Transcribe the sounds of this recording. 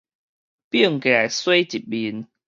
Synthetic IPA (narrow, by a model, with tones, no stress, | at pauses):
pi˥˩˨ŋka˨˩swe˦˥ɪt͡ɕi˨˩t̚ɓi˧˦n